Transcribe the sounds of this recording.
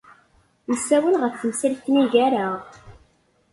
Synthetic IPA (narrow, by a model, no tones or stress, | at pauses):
nəsːæwənʁəfθəmsiɾθniʝæɾaʁ